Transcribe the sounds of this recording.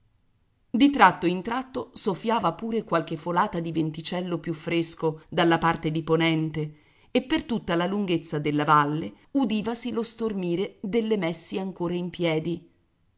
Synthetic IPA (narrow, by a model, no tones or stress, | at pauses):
d̪it̪ɾat̪ːoint̪ɾat̪ːosofːjaːvapuːɾekwalk̟efolaːt̪ad̪ivent̪it͡ʃɛlːopjufːɾeskod̪alːapart̪ed̪iponɛnt̪e | epːert̪ut̪ːalaluŋɡet̪sːad̪elːavalːe | ud̪iːvasilost̪ormiːɾed̪elːemɛsːiaŋkoːɾaimpjɛːd̪i